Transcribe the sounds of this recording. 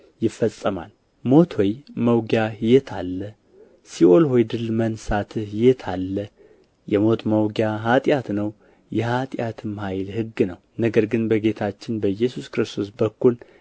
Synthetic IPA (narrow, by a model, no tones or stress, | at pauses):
jɪfːəsʼːəma̰l | mo̞t̪ʰwojməwɡjajɛt̪ʰalːə | siʔo̞lho̞jd̪ɨlmənsat̪ʰɨhjɛt̪ʰalːə | jɛmo̞t̪məwɡjaɦat̪ʼjat̪nəw | jɛhat̪ʼjat̪ʰɨmhajlhɨɡːnəwnəɡəɾɡɨnbəɡe̞t̪ʰat͡ʃːɪnbəjːɛsuskɾɨst̪ʰo̞s̬bəkːul